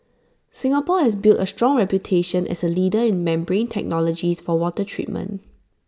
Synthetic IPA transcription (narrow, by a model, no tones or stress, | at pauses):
sɪ̃ŋapɔhɛsbiltəstɹɔ̃ŋɹɛpjutʰeʃə̃nʔɛ̰səlidəɪ̃nmɛ̃mbɹẽntʰɛ̰k̚nɔlɔd͡ʒisfɔwɔtətʰɹḭt̚mə̰̃n